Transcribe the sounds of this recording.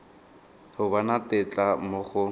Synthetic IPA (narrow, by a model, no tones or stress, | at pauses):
hʊbanatɪt͡ɬʼamʊχʊ